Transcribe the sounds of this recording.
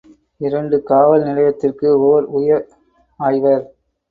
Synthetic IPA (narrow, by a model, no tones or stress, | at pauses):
ɪɾɐɳɖɯkaːʋɐlnɪlɐjɐt̪ːɪrkɯoːɾʊjɐ | aːjʋɐɾ